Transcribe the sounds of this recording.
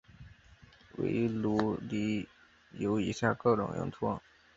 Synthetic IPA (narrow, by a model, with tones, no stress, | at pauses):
wḛ˧˥ɪlu˧˥li˧˥ | jo˧˥ʊi˧˥ɕja˥˧kɤ˥˩ʊʈ͡ʂʊ̰˨˩ŋjʊ̰˧˥ŋʈ͡ʂʰwɑ˥˩ŋ